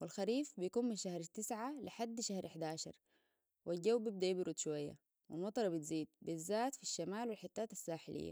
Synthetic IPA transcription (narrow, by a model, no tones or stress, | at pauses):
wilxaɾiːfbijkuːnminʃahɾt̪ːɪsʕaliħad̪ːʃahɾʔɪħd̪aːʃɑ̰ɾˤ | wilɟawːbib̚d̪ajibɾud̪ʃuwajːa̰ | wḭlmɑt̪ˤɑɾˤbit̪ziːd̪̚bizːaːt̪fiʃːamaːlwilħɪt̪ːaːt̪asːaːħɪlʔḭjːa̰